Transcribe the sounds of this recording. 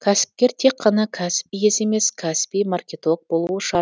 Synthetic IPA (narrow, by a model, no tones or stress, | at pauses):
kʲʰæsɪ̥p̚kʲe̞ɾt̪ʰe̞kʰːɑnɑkʲʰæsɪ̥pijese̞me̞skʲʰæsɪ̥pijmɑrkʲe̞t̪o̞k̚bo̞lˠuwəʃɑ